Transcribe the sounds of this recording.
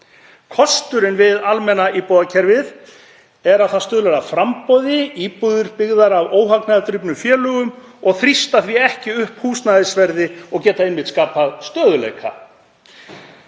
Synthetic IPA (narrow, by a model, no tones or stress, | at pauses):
kʰɔst̪ʏɾɪnvɪðalmɛnaiːpowðacʰɛɾvɪð | ɛɾaðθast̪œːðʏlɛɾafɾampɔðɪiːpuðʏɾpɪɣðaɾavoːwɦaknaðat̪ɾʏpnʏmfjɛːlœɣʏmɔɣθɾist̪aθviɛhcɪʏhphuːsnaðɪsvɛɾðɪɔɣcɛːt̪aɪnmɪt̪skaːpaðst̪œːðʏlḛjkʰa̰